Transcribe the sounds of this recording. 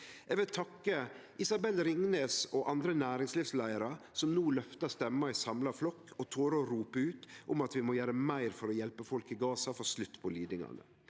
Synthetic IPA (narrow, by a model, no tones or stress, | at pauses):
ɛʋɪlt̪ʰɑkːəʔɪsɑbɛlɾɪŋneːsɔʔɑnd̪ɾənæːɾɪŋsliːʋslæɪəɾɑsɔmnuːlœft̪ɑst̪ɛmːɑɪsɑmlɑflɔkːɔt̪ʰoːɾoɾuːpəʉːt̪ʔɔmɑt̪ʋɪmɔjæːɾəmæɪɾfɔɾɔjɛlpəfɔlkɪɡɑːsɑfɔslʉt̪ːpʰɔliːd̪ɪŋɑ̰nə̰